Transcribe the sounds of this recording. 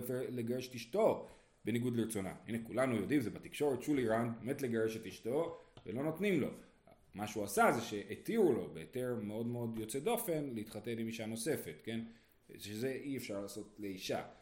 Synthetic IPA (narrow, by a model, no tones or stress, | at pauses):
feleɡaʁeʃe̥tiʃto̞ | be̞niɡudleet͡so̞na̰hḭnekulanujo̞dimzebat̪ikʃo̞ʁet̪ʃuliʁanbemetleɡaʁeʃe̞tiʃtovḛlo̞not̪nimlo̞̰ | maʃeuasazeʃe̞ʔːtiʁulo̞be̞ːte̞ʁmeo̞dmeo̞djo̞t͡sedo̞fe̞nleit̪χate̞nimiʃano̞se̞fe̞tke̞n | ʃeze̞ʔiefʃaʁlaːso̞t̪le̞iʃa̰